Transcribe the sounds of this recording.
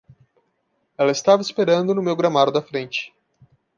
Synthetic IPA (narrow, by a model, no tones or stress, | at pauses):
ɛlɐɪst̪avɐɪspeɾɐ̃nd̪ʊnʊmewɡɾɐmaɾʊd̪ɐfɾẽnt͡ʃɪ̥